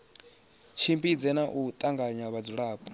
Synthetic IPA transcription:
t͡ʃʰimbid͡zɛnaʔut̪ʼaŋɡaɲaβad͡zuɺaːpʼu̥

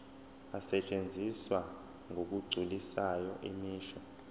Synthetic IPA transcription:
asɛt͡ʃʼend͡zʱiswa | ŋʱok̬ʼuɡ͡ǀʱulisajɔʔimiːʃɔ

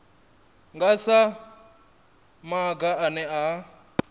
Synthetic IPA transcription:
ŋɡasa | maɡaʔːnɛa

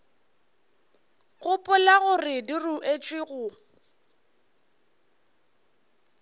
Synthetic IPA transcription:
ɣʼʊpʼʊlaɣʊrɪdiruʔet͡ʃʼwɪɣʊ

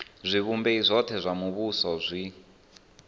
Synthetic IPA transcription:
zʷiβumbeizʷɔtʰɛzʷamuβusɔzʷi

